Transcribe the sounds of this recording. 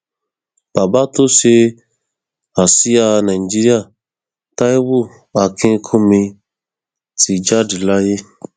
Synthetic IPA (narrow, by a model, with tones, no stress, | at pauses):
ba˨ba˦to˦se˦ | a˨si˦a˧nã˨i˨d͡ʒi˦ɾi˦a˦˨ | ta˦i˦bu˦˨ | a˨kʰẽ˦kʰõ˦mĩ˧ | ti˨d͡ʒa˦di˨la˦je˦